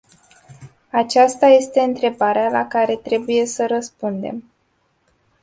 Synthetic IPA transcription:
at͡ʃast̪aje̞st̪e̞ɨnt̪ɾe̞baɾealakaɾe̞t̪ɾe̞buje̞səɾəspund̪e̞̰m

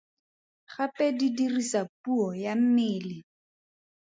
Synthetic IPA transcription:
χapʼɛdidirisapuɔjam̩mɪːlɪ

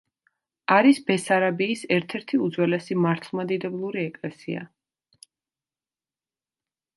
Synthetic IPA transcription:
aɾisbɛsaɾabiːsɛɾt̪ʰɛɾt̪ʰiud̪zwɛlɛsimaɾt̪ʰlˠmad̪id̪ɛblˠuɾiɛkʼlɛsia̰

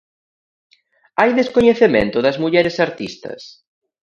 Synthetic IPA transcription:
ajðeskoɲeθemḛ̃nt̪ʊðɐzmuʎɛɾesaɾt̪ist̪ɐ̰s

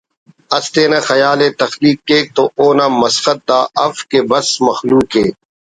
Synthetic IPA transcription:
ɐst̪eːnɐ̃xɐjaːlet̪ɐxliːkːeːk̚t̪oʔoːnaːmɐsxɐt̪̚d̪aːʔɐfkebɐsmɐxluːkɦeː

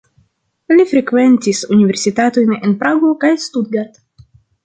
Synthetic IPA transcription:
lifɾe̞kve̞ntisunive̞ɾsitato̞jnenpɾaɡo̞kajstud̚ɡat

